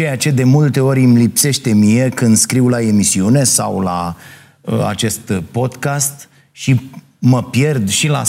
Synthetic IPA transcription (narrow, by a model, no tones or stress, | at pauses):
t͡ʃe̞jat͡ʃe̞d̪e̞mult̪e̞o̞ɾʲmlipse̞ʃt̪e̞mije̞kɨnd̪skɾiwlae̞misiune̞sa̰wla | əa̰t͡ʃe̞st̪po̞d̪kast̪ | ʃi | məpje̞rd̪ʃila̰